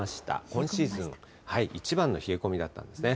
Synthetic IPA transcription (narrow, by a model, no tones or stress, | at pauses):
aɕi̥t̪a̰kõ̞ɰ̃ɕiːzɨ̃ŋ | haiʔit͡ɕibãnːo̞çie̞ko̞mʲid̪at̪ːã̰nd̪e̞sɨne